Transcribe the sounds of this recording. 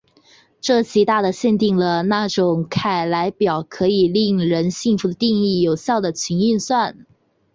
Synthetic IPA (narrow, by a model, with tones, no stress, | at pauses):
ʈ͡ʂɤ˥˩t͡ɕʰi˧˥t̪a˥˩d̪ə˩ɕjɛ˥˧nt̪i˥˩ŋlə˩na˥˩ʈ͡ʂʊ˨˩ŋkʰa˨˩ɪla˧˥ɪpjɑ˨˩ʊkʰɤ˧˥i˨˩li˥˩ŋɻə˧˥nɕi˥˩ŋfu˧˥d̪ə˧t̪i˥˧ŋi˥˩jo˨˩ʊɕjɑ˥˩ʊd̪ə˩t͡ɕʰi˧˥ŋy˥˧nswa˥˩n